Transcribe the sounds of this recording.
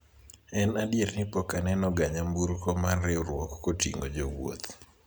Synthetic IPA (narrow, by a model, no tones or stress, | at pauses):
ɛnadjeɾnɪpɔkanɛnɔɡaɲambuɾkɔmarːɛɾwɔkːotiŋɡod͡ʒowo̰t̪